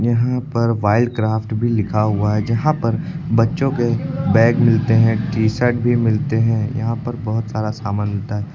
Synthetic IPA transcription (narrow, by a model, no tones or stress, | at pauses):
jɐɦãpɐɾʋaːɪlɖkɾaːfʈbʱilɪkʰaɦʊaɦɛd͡ʒɐɦãpɐɾbɐtːʃõkebɛːkmɪlt̪eɦɛ̃ʈiːsɛʈbʱimɪlt̪eɦɛ̃jɐ̰ɦãpɐɾbɐɦʊt̪saːɾasaːmənlɪt̪aɦɛː